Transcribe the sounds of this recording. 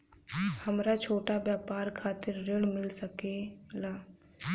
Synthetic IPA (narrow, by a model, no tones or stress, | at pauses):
həmɾat͡ʃʰoːʈabjaːpaːɾkʰaːt̪ɪɾːeɽmɪlsəkelaː